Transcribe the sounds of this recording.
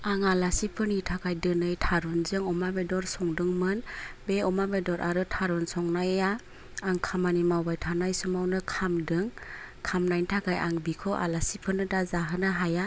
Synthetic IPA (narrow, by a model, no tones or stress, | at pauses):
aŋalasipʰɯnitʰakajdɯnɯjtʰaɾunzɯŋɔmabedɔɾsɔŋdɯŋmɯnbeɔmabedɔɾʔaɾɯtʰaɾɔnsɔŋnajaː | ŋkʰamanimawbajtʰanajsumawnɯkʰamdɯŋ | kʰamnajntʰakajʔa̰ŋbikʰɔʔa̰lasipʰɯnɯdazaɦɯnaɦaja